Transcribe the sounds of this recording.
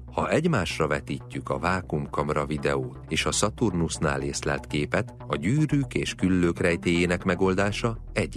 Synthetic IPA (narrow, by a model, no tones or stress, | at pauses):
hɒʔɛɟmaːʃrɒvɛt̪iːcːykɒ̰vaːkumkɒmrɒvid̪ɛoːt̪eːʃɒsɒt̪urnusna̰ːleːslɛ̰lt̪keːpɛt̪ | ɒɟyːɾyːkeːʃkylːøːkrɛjt̪eːjeːnɛkmɛɡo̞ld̪aːʃɒ | ɛɟ